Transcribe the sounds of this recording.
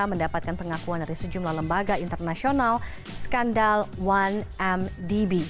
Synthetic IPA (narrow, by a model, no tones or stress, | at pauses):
aməndapat̪̚kanpəŋakuandaɾisəd͡ʒumlahləmbaɡaint̪ərnasional | sə̥kandalwanɛmdibi